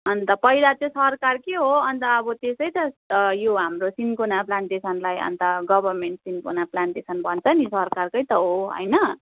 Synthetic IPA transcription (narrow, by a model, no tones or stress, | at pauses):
ʌnt̪ʌpʌjd̪at̪ẽsʌrkarkeɦoʌnt̪ʌːbʌt̪esʌjt̪ʌjoɦamrosinkonaplaɳʈesʌnlajʌ̰nt̪ʌɡʌbʱʌrmeɳʈsinkonaplaɳʈesʌnbʱʌnt͡sʰʌnisʌrkarkʌjt̪ʌɦoɦʌ̰jnʌ